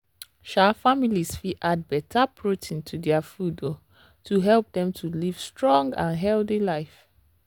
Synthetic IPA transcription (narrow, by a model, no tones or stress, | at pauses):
ʃalfamilisfiʔad̚bɛtʰapʰɹotʰĩntʰudɛafudo | tʰuɦɛlp̚dɛ̃mtʰuliv̥stɹɔ̃ŋɡã̰nɦɛlθilaɪf